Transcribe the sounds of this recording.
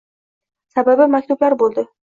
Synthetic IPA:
sababɪmak̚ʲt̪ublaɾbolˠd̪ɪ

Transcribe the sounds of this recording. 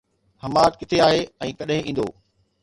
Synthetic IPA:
hɐmaːt̪kɪt̪ʰeaːɦeɛ̃ːkɐɗɦɪ̃ʔĩːn̆d̪o̰ː

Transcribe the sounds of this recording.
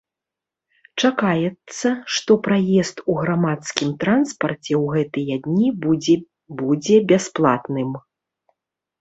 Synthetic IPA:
t͡ʂakajɛt̪sːɐʂt̪ɔpɾajɛst̪uɣɾamat̪skʲimt̪ɾanspɐrt͡sʲɛwɣɛt̪ɨjɐd̪ʲnʲi | bud͡zʲɛbʲasplˠa̰t̪nɨm

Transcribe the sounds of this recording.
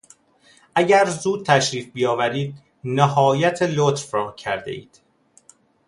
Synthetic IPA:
ʔæɟæɾzuːd̪̚t̪ʰæʃɾiːfbijɒːvæɾiːd̪̚ | næehɒːjæt̪ʰelot̪ɾɾɒːcʰæɾd̪ḛḭːd̪̥

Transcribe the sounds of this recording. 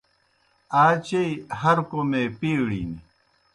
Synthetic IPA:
aːt͡ɕeihɐɾkomeːpiːɽḭːni

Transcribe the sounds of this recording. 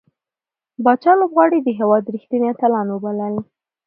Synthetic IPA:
bɑt͡ʃɑlobɣwɑɽid̪əɦewɑd̪ɾixt̪inet̪alɑnwəbaləl

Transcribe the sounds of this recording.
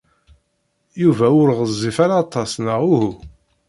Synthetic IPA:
juvæʊɾʁəzˤːifaɾaːt̪ˤːɑsˤnəʁʊhu

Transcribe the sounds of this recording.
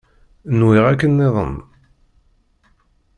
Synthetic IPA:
nwɪʁækːənːeðˤə̰n

